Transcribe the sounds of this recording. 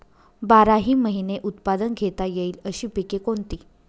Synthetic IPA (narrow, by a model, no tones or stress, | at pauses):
baɾaɦiːməɦineʔut̪pad̪ənɡʱet̪ajeiːləɕiːpikekont̪iː